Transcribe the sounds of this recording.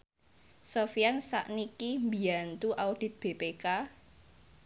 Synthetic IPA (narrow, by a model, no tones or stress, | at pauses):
sofjansa̰ʔnikimbiant̪uʔaud̥ɪ̤t̪̚b̥e̤peka